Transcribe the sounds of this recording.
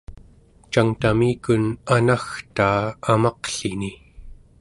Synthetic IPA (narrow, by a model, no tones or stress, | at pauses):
t͡ʃaŋt̪amiːkunanaxt̪aːmɑqɬini